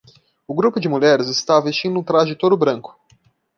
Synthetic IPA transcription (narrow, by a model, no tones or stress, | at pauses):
ʊɡɾupʊd͡ʒɪmuʎɛɾɪzɪst̪avest͡ʃĩnd̪ʊũt̪ɾaʒɪt̪oɾʊbɾɐ̃ŋkʊ̥